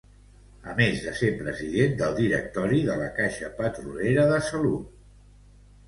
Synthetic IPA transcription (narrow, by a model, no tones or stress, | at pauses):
əmezðəsepɾəziðend̪əlˠd̪iɾə̰k̚t̪ɔɾiðələkaʃəpət̪ɾuleɾəðəsəlut̪